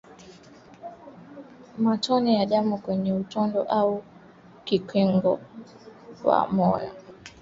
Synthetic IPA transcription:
matɔnijaɗamukwɛɲɛutɔndɔ̰ʔau | kikwɛŋɡɔ | wa̰mɔjɔ̰

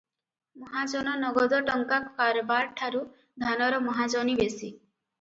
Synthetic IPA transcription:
mɔɦad͡ʒɔnɔnɔɡɔd̪ɔʈɔŋkakɔkaɾɔbaɾʈʰaɾu | d̪ʱanɔɾɔmɔɦad͡ʒɔnibesi

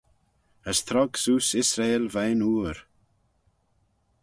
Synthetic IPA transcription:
əst̪ʰɾɔɡsuːsɪsɾelvejnuːɾ

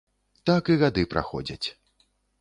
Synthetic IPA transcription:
t̪akiɣad̪ɨpɾʔa̰xɔ̰d͡zʲɐt͡sʲ

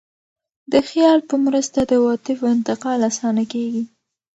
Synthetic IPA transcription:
d̪əxjɑlpəmɾəst̪ad̪əwɑt̪ɪfɪnt̪ɪqɑlasɑnakeɡi

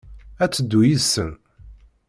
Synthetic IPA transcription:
æt͡sːəd̪ːujisən

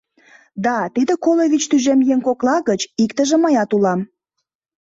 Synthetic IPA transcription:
d̪ɑt̪id̪ekolovit͡ɕt̪yʒemjeŋkoklɑɣət͡ɕikt̪əʒĕməjɑt̪ulɑm

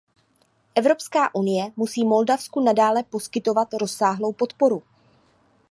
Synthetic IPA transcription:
ʔɛvɾo̞pskaːʔunɪjɛmusiːmo̞ldafskunadaːlɛpo̞skɪt̪o̞vat̪ɾo̞sːaːɦlo̞wpo̞t̪po̞ɾu

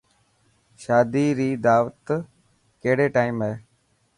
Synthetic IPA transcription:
ʃaːd̪iːɾiːd̪aːʋət̪ | keɦɽeːʈaːimɦeː

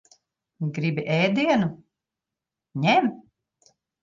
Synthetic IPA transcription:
ɡɾibiʔɛːd̪iɛnu | ɲɛm

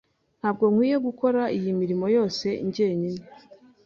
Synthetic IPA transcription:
n̥haːb̚ɡo̞ŋ̥hwiːje̞ɡuko̞ɾaijimiɾimo̞jo̞ːse̞ḭɲɟeːɲine

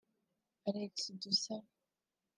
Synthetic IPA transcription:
aɾeksd̪usa

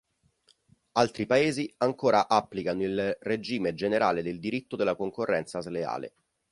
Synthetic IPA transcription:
alt̪ɾipaeːziaŋkoːɾaʔapːlikanoilred͡ʒiːmed͡ʒeneɾaːled̪eld̪iɾit̪ːod̪elːakoŋkorːɛnt̪sazlea̰ːlḛ

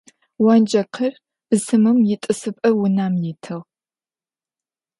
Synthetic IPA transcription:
wɐnd͡ʒɐqʰɐr | b̥ɨsɨmɨmjɪtʼɨsɨpʼɐwʊnaːmjitʰɨʁ

